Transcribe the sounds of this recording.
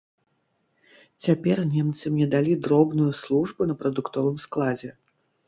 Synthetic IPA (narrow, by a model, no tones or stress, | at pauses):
t͡sʲapʲɛrnʲɛmt̪sɨmnʲɛd̪alʲid̪ɾɔbnujuslˠuʐbunɐpɾɐd̪ukt̪ɔvɨmsklˠad͡zʲɛ